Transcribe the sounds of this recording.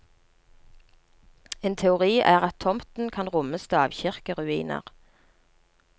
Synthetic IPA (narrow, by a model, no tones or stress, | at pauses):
eːnt̪ʰɛʊʁiːʔæːʁɑt̪ʰːɔmt̪n̩kʰɑnʁʊməst̪ʰøːɑ̰ːʋçɪʁkəʁʉiːnə̰ʁ